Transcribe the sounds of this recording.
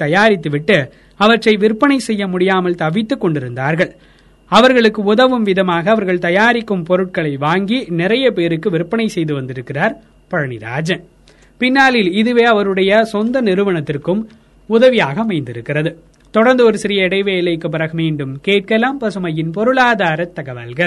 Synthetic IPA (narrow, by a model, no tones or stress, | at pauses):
t̪ːɐjaːɾɪt̪ːɯʋɪʈːɯ | ɐʋɐʈrɐɪʋɪɾpːɐnɐɪsɛjːɐmʊɽɪjaːmɐlt̪ɐʋɪt̪ːɯkːɔɳɖɪɾɯnd̪aːɾɣɐɭ | ɐʋɐɾɣɐɭɯkːɯʊðɐʋɯmʋɪðɐmaːɣɐːʋɐɾɣɐɭt̪ɐjaːɾɪkːɯmpɔɾɯʈ̚kɐɭɐɪʋaːŋɡinɪɾɐjɐpeːɾɯkːɯʋɪɾpːɐɳɐɪsɛjðɯʋɐnd̪ɪɾɯkːɪraːɾ | pɐɻɐnɪɾa̰ːd͡ʒɐ | pɪnːaːlɪlɪðɯʋeːɐʋɐɾɯɽɐjɐsɔnd̪ɐnɪɾɯʋɐɳɐt̪ːɪrkɯm | ʊðɐʋɪjaːɣɐɐmɐɪnd̪ɪɾɯkːɪrɐðɯ | t̪ɔɽɐɾnd̪ɯɔɾɯsɪɾɪjɐɪɽɐɪʋeːlɐjkːɯp̬ːɪɾɐɣɯmiːɳɖɯmkeːʈ̚kɐlaːmpɐsɯmɐjɪnpɔɾɯɭaːðaːɾɐt̪ːɐɣɐʋɐ̰lɣɐɭ